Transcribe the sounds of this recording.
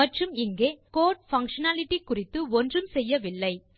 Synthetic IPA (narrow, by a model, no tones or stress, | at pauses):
ɐʈrɯmɪŋɡeːkoːʈ̚fɐŋkʂɐnaːlɪʈːikːʊrɪt̪ːɯɔndrɯmsɛjːɐʋɪlːɐɪ